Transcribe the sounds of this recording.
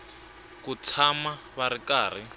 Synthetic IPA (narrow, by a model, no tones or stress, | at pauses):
kut͡sʰama | βaɾikaːr̤i